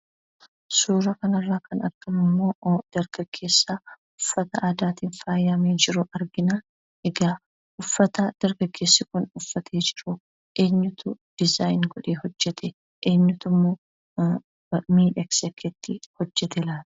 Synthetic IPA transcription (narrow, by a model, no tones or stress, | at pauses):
suːɾɐkɐnɐrːaːkɐnɐ̰ɾɡ̥ɐmɪmːoːd̪̥ɐɾɡ̥ɐɡ̥ːe̞ːsːa | ʊfːɐt̪ɐʔaːd̪aːt̪iːnfaːjɐmeːd͡ʒɪɾʊʔɐɾɡɪna | ɛɡaː | ʔʊfːɐt̪ɐd̪̥ɐɾɡɐɡːe̞ːsːɪkʊnʊfːɐt̪ʰeːd͡ʒɪɾʊ | ʔe̞ːɲːʊt̪ʰʊd̥ɪzaːjnɡɔᶑeːhɔd͡ʒːɛt̪ʰɛ | ʔeːɲːʊt̪ʊmːo | miːᶑɛksɛkʰːɛt̪ʰːɪhɔd͡ʒːɛt̪ɛlaːt̪